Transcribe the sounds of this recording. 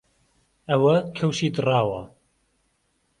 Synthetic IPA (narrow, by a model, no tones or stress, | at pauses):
ɐwɐkʰɐwʃiːd̪ɨrɑːwɐ̰